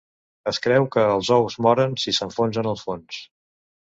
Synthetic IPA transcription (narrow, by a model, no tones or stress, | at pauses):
əskɾɛwkəːlˠzɔwzmɔɾənsisəɱfonzənəlˠfons